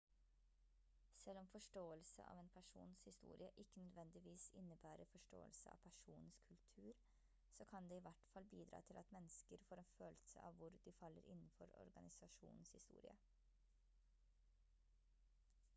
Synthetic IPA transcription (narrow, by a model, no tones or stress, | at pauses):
sɛlːɔmfɔʂʈoːəlsə̰ʔɑ̰ːʋeːnpʰæʂṵːnshɪst̪ṵːɾɪəʔɪkːənœd̪ʋɛnd̪ɪʋiːsɪnːəbæːɾəfɔʂʈo̰ːə̰lsəɑ̰ːʋpʰæʂuːnn̩skʰʉlt̪ʰʉːɾ | sɔːkʰɑnd̪eːɪːʋæʈfɑlbiːd̪ɾɑ̰ːt̪ʰɪlɑt̪mɛnːəskəɾfoːɾeːnføːlsə̰ʔɑ̰ʋʋʊɾd̪ɪfɑlːəɾɪnn̩fɔɾɔ̰ɾɡɑnɪsɑʂṵːnn̩shɪst̪ṵːɾɪ̰ə̰